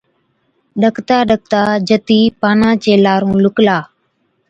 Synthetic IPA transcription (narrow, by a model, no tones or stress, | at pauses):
ɗəkt̪aːɗək̚t̪aːd͡ʒət̪iːpaːnãːt͡ʃeːlaːɾũːlʊklaː